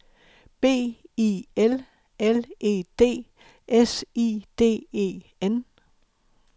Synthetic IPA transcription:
b̥e̝̰ːiel | elʔe̝̰ːd̥e̝̰ː | ʔesiːd̥e̝̰ːe̝̰ː | en

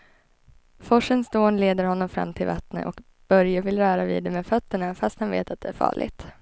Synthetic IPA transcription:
fɔʂənsd̪oːnleːd̪əɾhɔnːɔmfɾa̰mːt̪ʰɪlvat̪nə̰ʔɔk | b̥œɾjavɪlɾœːɾavḭːd̪ɛmeːfœt̪ːəɳafast̪hanvḛːt̪at̪̚d̪ɛæɾfɑ̰ːɭɪ̰ɡt̪

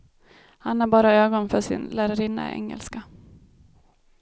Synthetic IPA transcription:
hanæɾbɑːɾaøːɡɔnfœʂɪ̰nlæːɾəɾɪnːa̰ʔɛ̰ŋːɛ̰lska

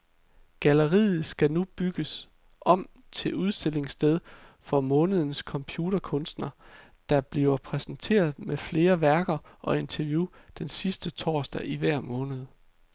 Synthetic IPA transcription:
ɡ̥æləʁḭːð̩ˠsɡ̥ænub̥yɡ̥əs | ʔɒ̽m̰ | t͡sʰe̝uð̞ˠsd̥e̝l̰e̝ŋsd̥eð̞ˠfɒ̽mɔ̽ːnəð̞ˠənəskʰɒ̽mpʰjuːɾ̥ɐkʰɔ̽nsd̥nɐ | d̥ɑ̈b̥liʊɐpʰʁɛsn̩t͡sʰe̝̰ːɐð̞̩ˠmefle̝ːɐʋæɐɡ̥ɐʔɒ̽e̝nt͡sʰæʋjud̥ensisd̥ət͡sʰɒ̰ːsd̥æiʋæɐ̰mɔ̽ːnəð̞̩ˠ

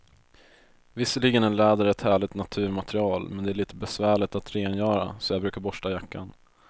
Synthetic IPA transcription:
vɪsːəɭiɡənɛnlɛːd̪əɾɛt̪hæːɭɪt̪nat̪ʰʉ̟ːɾmat̪ɾɪɑːlmɛnd̪ɛæɭiːt̪əbɛsvæːɭɪt̪at̪ɾeːnjœːɾa̰sɔjɑːbɾʉ̟ːkaɾbɔʂʈajakːa̰n

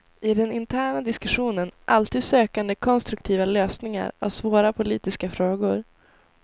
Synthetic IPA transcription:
ɪd̪ɛnɪnt̪ʰæːɳad̪ɪskɵɧuːnənʔalt̪ʰiːd̪søːkand̪əkʰɔnst̪ɾɵkt̪ʰiːvaløːsnɪŋa̰ɾa̰vsvoːɾapʰʊliːt̪ɪskafɾoːɡʊɾ

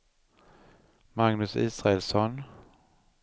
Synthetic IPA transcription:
maŋnɵsiːsɾaɛlsɔn

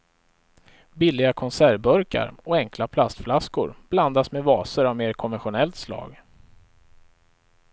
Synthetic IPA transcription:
bɪlːɪɡakʰɔnsæɾbœɾka̰ɾɔɛŋklapʰlast̪flaskʊ̰ɾb̥land̪asmevɑːsəɾavmeːɾkʰɔnvɛnɧʊnɛlt̪slɑ̰ːɡ

